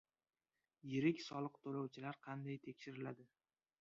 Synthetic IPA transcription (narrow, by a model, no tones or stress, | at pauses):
jɪɾɪkʲsɒlˠɨqt̪ʰolɒwt͡ʃʰɪlaɾqʰɑnd̪ajt̪ʰe̞kʲʃɪɾɪlad̪ɪ